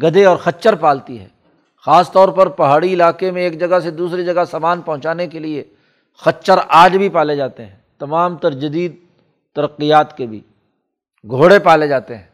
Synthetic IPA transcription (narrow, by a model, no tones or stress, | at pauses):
ɡɐd̪eɔːɾxɐtːt͡ʃəɾpaːlt̪iɦɛ̰ː | xaːst̪ɔːɾpɐɾpɐɦaːɽiɪlaːkemẽeːkd͡ʒɐɡased̪uːsɾid͡ʒɐɡasaːmaːnpɐ̃ɦʊ̃t͡ʃaːnekelie | xɐtːt͡ʃʃəɾaːd͡ʒbʱipaːled͡ʒaːt̪eɦɛ̰̃ːt̪ɐmaːmt̪ɐɾd͡ʒɐd̪iːd̪̚ | t̪ɐɾəqːijaːt̪kebʱḭː | ɡʱoːɽepaːled͡ʒaːt̪eɦɛ̃ː